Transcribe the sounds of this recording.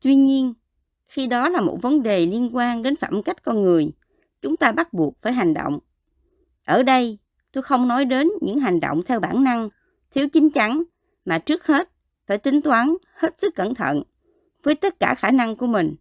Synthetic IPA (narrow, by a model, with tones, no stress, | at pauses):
t̪wi˧ɲi˧ən | xi˧ɗɔ˨˦laː˨˩mo̰˧˩t̚və˨˦nɗe˨˩li˧ənkwaː˧nɗe˨˦nfaː˧˩mka˦˥jk̟̚kɔ˧nŋɨ˨˩əj | t͡ɕʊ˨˦ŋ͡mt̪aː˧ɓa˦˥t̚ɓu˨˩ək̚faː˧˩jɦa˨˩jŋ̟ɗo̰˧˨wŋ͡m | ʔəː˧˩ɗə˧j | t̪o˧jxə˧wŋ͡mnɔ˨˦jɗe˨˦nɲɨ̰˧˥ŋɦa˨˩ŋ̟ɗo̰˧˨wŋ͡mt̪ʰɛ˧wɓaː˧˩nna˧ŋ | t̪ʰi˨˦əwt͡ɕï˨˦ŋ̟t͡ɕa˨˦ŋ | maː˨˩t͡ɕɨ˦˥k̚he˦˥t̚ | faː˧˩jt̪ï˨˦ŋ̟t̪waː˨˦n | he˦˥t̚sɨ˦˥kːə˧˩nt̪ʰə̰˧˨n | vəː˨˦jt̪ə˦˥t̚kaː˧˩xaː˧˩na˧ŋku˧˩əmï˨˩ŋ̟